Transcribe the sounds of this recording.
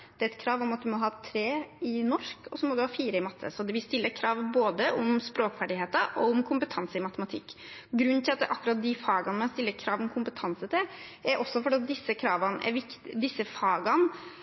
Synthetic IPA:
d̪̥ɛæɾɛt̪kʰɾɑːʋɔmɑt̪d̪ʉmɔɦɑːt̪ʰɾeːɪnɔʂkɔsːɔmɔd̪ʉhɑːfiːɾəɪmɑt̪ʰːə̰sɔd̪ɛʋɪlst̪ɪlːəkʰɾɑːʋboːd̪əʔʊmspɾoːkfæɖɪheːt̪ɑʔɔʊmkʰʊmpət̪ʰɑnsəɪmɑt̪əmɑt̪ʰɪ̰kːɡɾʉnːt̪ʰɪlɑt̪̚d̪ɛʔɑkːʉɾɑt̪̚d̪ɪfɑːɡɑnmɑst̪ɪlːəkʰɾɑːʋɔmkʰʊmpət̪ʰɑnsət̪ʰɪɛæɾʔɔsːɔfɔɖɛɑt̪̚d̪ɪsːəkʰɾɑːʋɑnʔæ̰ɾʋɪkt̪ɪd̪ɪsːəfɑːɡɑn

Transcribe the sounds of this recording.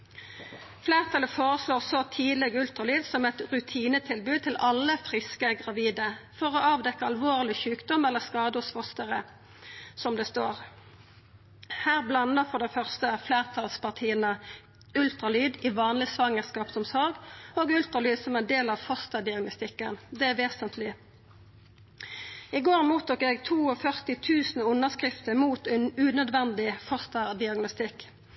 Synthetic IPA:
flæːʁt̪ʰɑləfoːʁəsloːʁsot̪ʰiːd̪lɛɡʉlt̪ʁɑlyːd̪sɔmɛt̪ʁʉt̪ʰiːnət̪ʰɪlbʉːd̪̚t̪ʰɪlʔɑlːəfʁɪskəɡʁɑʋiːd̪əfɔʁoːɑːʋd̪ɛkːəɑlʋoːʁlɪçʉːkd̪ɔmɛlːəʁskɑːd̪əʊsfɔst̪əʁə | sɔmd̪ɛːst̪oːʁ | hæːʁblɑnəfɔʁd̪ɛfœʁst̪əflæːʁt̪ʰɑlspɑʁt̪ʰiːənə | ʉlt̪ʁɑlyːd̪ɪʋɑːnlɪsʋɑŋːəskɑːpsɔmsɔɾɡoːɡʉlt̪ʁɑlyːd̪sɔmɛnd̪eːlɑʋfɔst̪əd̪ɪɑɡnʊst̪ɪkːənd̪ɛæʋeːsənt̪ʰlɪ | ɪɡoːʁmuːt̪uːkɛːɡt̪ʰuːɔfœʁt̪ɪt̪ʰʉːsnəʊnːəʁskʁɪft̪əmuːt̪ʉːnœd̪ʋɛnd̪ɪfɔst̪əd̪ɪɑɡnʊst̪ɪkː

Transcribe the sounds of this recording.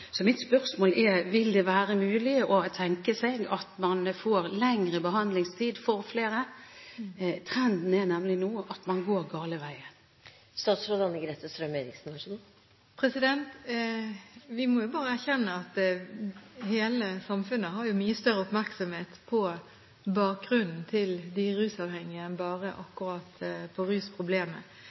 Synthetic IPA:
sɔmɪt̪spœʁsmoːlʔɛʋɪld̪ɛʋæːɾəmʉːlɪɔt̪ʰɛŋkəsɛɡɑt̪mɑnfoːɾlɛŋɾəbəɦɑnd̪lɪŋst̪ʰiːd̪fɔɾfleːɾə | t̪ʰɾɛnd̪n̩ɛnɛmlɪnuːəʔɑt̪mɑnɡoːɾɡɑːləʋæɪən | st̪ɑːt̪sɾoːd̪ɑnəɡɾet̪əsɾœmeːd̪ɪksnʋɑʂu | pʰɾɛsɪd̪ɛnt̪ | ʋɪmɔjʊbɑːɾəæɾçɛnːəɑt̪ | ɦeːləsɑmfʉnːəɦɑɾjʊmyːəst̪œɾəʊpmæɾksɔmheːt̪pʰɔ | bɑːk̚ɡɾʉnn̩t̪ʰɪld̪ɪɾʉːsɑʋhɛŋːɪəbɑːɾəʔɑkːʊɾɑt̪pʰɔɾʉːspʰʁʊbleːmə̰

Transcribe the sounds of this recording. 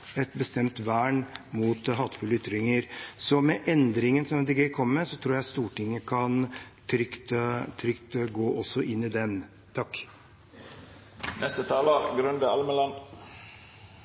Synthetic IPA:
ɛt̪bəst̪ɛmt̪ʋæːɳmuːt̪ɦɑːt̪fʉlːəʏt̪ɾɪŋəɾsɔmɛʔɛnd̪ɾɪŋənsɔmɛd̪ɛɡɛɪkʰɔmːəmesɔt̪ʰɾuːɾjæɪst̪uːʈɪŋːəkʰɑnt̪ʰɾʏkt̪t̪ʰɾʏkt̪ɡoːʔɔsːɔʔɪnːiːd̪ɛn | t̪ʰɑkː | nɛst̪ət̪ʰɑːləɾɡɾʉnd̪əɑlməlɑn

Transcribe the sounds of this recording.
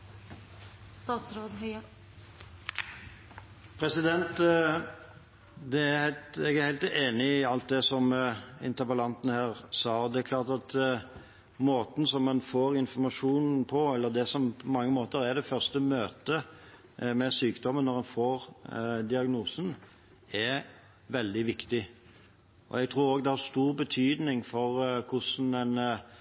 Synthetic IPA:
st̪ɑːt̪sɾoːd̪ɦœ | pʰɾɛsɪd̪ɛnt̪ | d̪ɛæɾhɛɪlt̪ɛɡæɾhæɪlt̪eːnɪːɑlt̪̚d̪ɛsɔmɪ̰nt̪əpəlɑnt̪n̩hæːʁsɑːɔd̪ɛæɾkʰlɑːʁt̪ɑt̪ | moːt̪n̩sɔmːɛnfoːʁɪnfɔɾmɑʂuːnnpʰɔɛlːəɾd̪ɛsɔmpʰɔmɑŋːəmoːt̪əɾæɾd̪ɛfœʁst̪əmøːt̪ə | mɛsyːkd̪ɔmːənːɔɾɛnfoːɾd̪ɪɑɡnuːsn | ɛ | ʋɛld̪ɪʋɪkt̪ɪ | ɔ̰ɛɡ̚t̪ʰɾuːɾoːɡ̚d̪ɛhɑʁst̪uːɾbət̪ʰyːd̪nɪŋfɔʁkʰʊsn̩ɛn

